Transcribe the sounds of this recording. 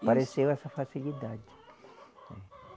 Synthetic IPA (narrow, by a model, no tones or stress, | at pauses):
paɾesewɛsɐfasilid̪ad͡ʒɪ̥ | ɛ